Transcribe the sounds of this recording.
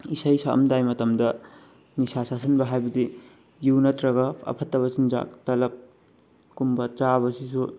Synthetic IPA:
isɐjsaɐ̰mdajmɐtɐmdɐ | nisasasɐnbɐɦajbɐdi | juwnɐtɾɐɡɐpʰɐ̰pʰɐtːɐβɐt͡ʃind͡ʒa̰tɐlɐp̚ | kumbɐt͡ʃabɐsisu

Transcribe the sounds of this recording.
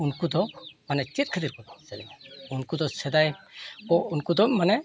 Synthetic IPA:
unkud̪ɔmanɛt͡ʃit̪̚kʰəd̪iɾkɔd̪ɔsɛlimunkud̪ɔsɛd̪ajɔunkud̪ɔmanɛ

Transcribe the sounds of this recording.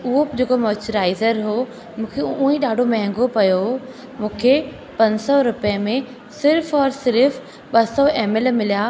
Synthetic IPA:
ʊɦopd͡ʑeːkomoːt͡ɕʊɾaːɪzəɾɦoː | mũːkʰeuĩɗaːɖʱomɐ̃ɦɛ̃ŋɡopɐjo | mũːkʰe | pɐ̃ɲsɔɾʊpijəmẽ | sɪɾfɔːɾsɪɾf | ɓɐsɔʔeːmelmɪlija

